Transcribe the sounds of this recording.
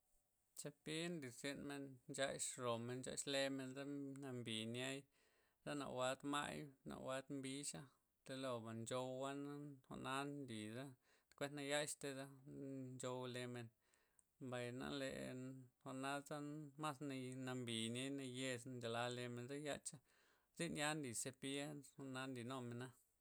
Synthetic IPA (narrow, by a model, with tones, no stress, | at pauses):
t͡ʃa˧pi˦nli˨se˧nme˧nnt͡ʃa˧jʃɾo˨me˧nt͡ʃa̰˧ʃle˧me˧nza˦na˧mbi˨nja˦j | z̥a˦na̰˧˨wa˧d̪ma̰˦jna̰˨wa˧d̪mbi˦ʃa˦ | t̪e˧lo˧ba˨nd͡ʒo˧wwa˦na˦ho̰˧ʔna˦nnli˨za˦ | t̪kʷe˦nt̪na˧ja˦jʃt̪e˧za˦nd͡ʒo˧wle˧me˧n | ba˨jna̰˧lḛ˧˨ho˧ʔna˦za˦ma˦sna˧na˧mbi˨nja˦jna˧je˧snd͡ʒa˨la˧le˧me˨nza˦ja˧t͡ʃa˦ | zi˦nja˦nli˨se˧pi˦e˦ho˨na˦nli˨no˧me˨na˦